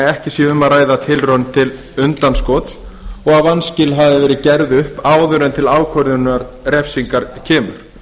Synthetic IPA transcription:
ɛhcɪsjɛʏmːaðɾaːjðat̪ʰɪlrœnt̪ʰɪl | ʏnt̪anskɔːt̪sɔɣavanscɪlɦavðɪvɛːɾɪcɛɾðʏhpaːwðʏɾɛnt̪ʰɪlaːwkʰvœɾðʏnaɾ | rɛfsiŋkaɾcʰɛːmʏ̰ɾ̥

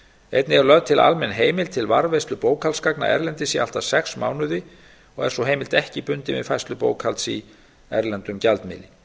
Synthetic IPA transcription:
ejt̪nɪɛɾlœðt̪ʰɪla̰lmɛnːɦeːjmɪlt̪ʰɪlvaɾvejst̪lʏpoːwkhalskakna̰ʔɛ̰ɾlɛnt̪ɪsialt̪asɛksmaːwnʏðɪ | ɔɣɛ̰̥sɔɦejmɪlt̪ɛhcɪpʏnt̪ɪvɪ̰ðfajst̪lʏpoːwkʰalsi | ɛɾlɛnt̪ʏmcalt̪mɪ̰ːlɪ

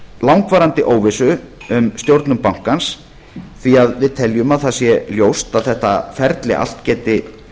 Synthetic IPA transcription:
lawŋkvaːɾant̪ɪʔoːwvɪsʏ | ʏmst̪jowɾt̪nʏmpawŋ̥kans | θviaðvɪðt̪ʰɛljʏmaðθasjɛljoːwst̪aðθɛht̪afɛɾt̪lɪ̰ʔa̰l̥t̪cɛːt̪ɪ

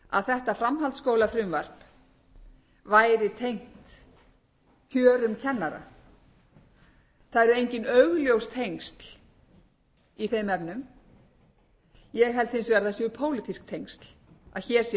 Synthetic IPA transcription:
a̰ðθɛht̪afɾamɦalt̪skoːwlafɾʏmvar̥p | vaːjɾɪt̪ʰejŋ̥t̪ | θʰjœːɾʏmcʰɛnːaɾa̰ | θaðɛɾʏejɲcɪnœɣljowst̪ʰejŋst̪l̥ | iθejmɛpnʏm | jɛɣɦɛlt̪hɪnsvɛɾðasjœpʰoːwlɪt̪isk̚t̪ʰejŋst̪la̰ðçɛːɾ̥sjɛ

